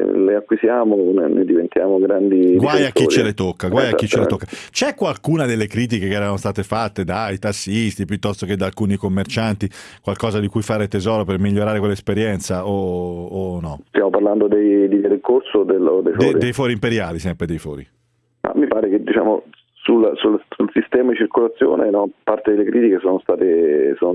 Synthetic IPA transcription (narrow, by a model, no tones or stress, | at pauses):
leakːwisjaːmonḛnḛd̪ivent̪ʰjaːmoɡɾand̪iɡwwajatkːit͡ʃɾielet̪okːaɡwajakkːitt͡ʃːeleokːat͡ʃɛkːwalkuːnad̪elːekɾiːt̪̬ikekeɛːɾanost̪aːt̪efat̪ːed̪ait̪asːist̪ipjut̪ːɔst̪ok̟ed̪alkuːnikomːert͡ʃant̪ikwalkɔːzad̪ikujfaːɾet̪ezɔːɾopermiʎːoɾaːɾekwelːespeɾjɛnt̪saoː | nːɔst̪jaːmoparland̪od̪ejd̪id̪eɾeikorsod̪eld̪ejfɾid̪ejfɔːɾimpeɾjaːlisɛmpɾed̪ejfɔ̰ːɾḭ | ma̰mːipaːɾeked̪ːit͡ʃa̰ːmo̰ | sulasulsulsist̪ɛːmad̪it͡ʃirkolat̪sːjo̰ːnenɔpart̪ed̪elːekɾiːt̪ikesoːnost̪aːt̪esoːn